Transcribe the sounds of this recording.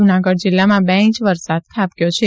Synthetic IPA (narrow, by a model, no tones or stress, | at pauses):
unaɡəɽd͡ʒɪlːamãbɛ̃ĩt͡ʃʋəɾsad̪̚kʰapjot͡ʃʰe